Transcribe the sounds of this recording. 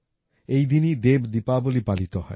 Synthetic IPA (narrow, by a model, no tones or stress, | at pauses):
ejd̪inid̪ebd̪ipabolipalit̪oɦɔ̰e